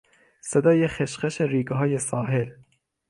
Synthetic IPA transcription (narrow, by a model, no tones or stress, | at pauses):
sed̪ɒːjexeʃqeʃeɾiːɡɦɒːjesɑːɦel